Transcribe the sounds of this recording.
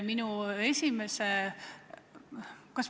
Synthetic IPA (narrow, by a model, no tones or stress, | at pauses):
minue̞sʲimese | kɑs